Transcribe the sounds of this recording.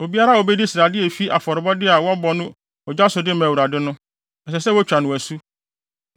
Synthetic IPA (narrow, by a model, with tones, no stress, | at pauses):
o˨bi˦a˦ɾa˦o˨bɛ˦di˦si˨ɾa˨dɪ˦e˨fi˦ʔa˨fɔ˨ɾɪ˨bɔ˦dɪ˦a˨wɔ˦bɔ˨nʊ̃˦ | ɔ˨d͡ʑa˦sʊ˨dɪ˦mæ̃˨wu˨ɾa˨dɪ˦nʊ̃˦ | ɛ˨sɛ˨sɛ˦wo˦t͡ɕᶣa˨nʊ̃˨æ˨su˦